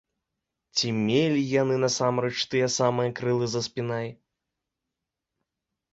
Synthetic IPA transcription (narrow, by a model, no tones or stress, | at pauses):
t͡sʲimʲelʲijan̪ɨnɐsamɾɛt͡ʂt̪ɨjɛsamɨjɐkɾɨlˠɨzɐspʲinaj